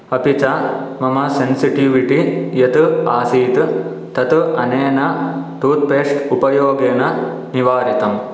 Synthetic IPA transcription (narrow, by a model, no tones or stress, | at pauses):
ɐpit͡ʃa | mɐmɐsensiʈiʋiʈijɐt̪uaːsiːt̪ | t̪ɐt̪uɐneːnɐʈ̪uːt̪̚peːʂʈupɐjoːɡeːnɐ | niʋaːɾit̪ɐm